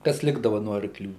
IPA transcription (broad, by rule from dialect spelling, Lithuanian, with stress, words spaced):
kɐs ˈlʲɪɡdɐʋɐ noː ɐrkˈlʲuː